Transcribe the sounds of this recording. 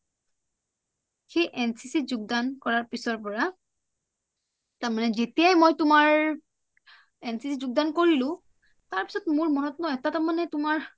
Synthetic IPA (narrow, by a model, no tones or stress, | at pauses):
xejʔɛnsisizʊɡ̚dankɔɹaɹpisɔɹpɔɹa | taɹmanɛzetijajmojtʊmaɹ | ɛnsisizuɡ̚dankoɹilʊ̃ | taɹpi̥sɔtmʊɹmɔnɔtnɔɛtatamanɛtʊmaɹ